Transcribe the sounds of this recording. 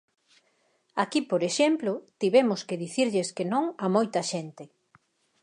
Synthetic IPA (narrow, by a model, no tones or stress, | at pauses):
akipoɾeʃemplʊt̪iβɛmʊskeðiθiɾʎeskenõŋamojt̪ɐʃent̪ɪ